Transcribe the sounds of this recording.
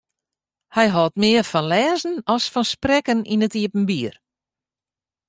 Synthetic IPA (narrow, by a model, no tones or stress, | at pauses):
hɛjɦɔtmɪərfɔnlɛːzn̩ɔsfɔnsprɛkənḭnətiəpn̩biːər